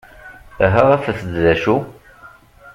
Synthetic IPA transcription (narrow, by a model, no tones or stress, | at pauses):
æɦəʁæfəθd̪ðæʃu